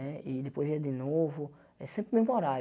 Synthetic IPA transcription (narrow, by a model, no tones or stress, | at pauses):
ɛid̪epojziɐd̪ɪnovʊ | ɛsẽmpɾɪmemoɾa